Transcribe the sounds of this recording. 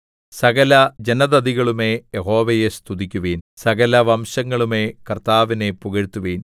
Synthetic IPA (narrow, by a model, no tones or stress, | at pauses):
sɐɣɐlɐd͡ʑenɐðɐd̪iɣɐɭume̞jeɦo̞ːʋɐjest̪ʰuðikʲːuʋiːnsɐɣɐlɐʋɐmɕɐŋːɐɭume̞kɐrt̪aːʋine̞puɣɐɻt̪ːuʋiːn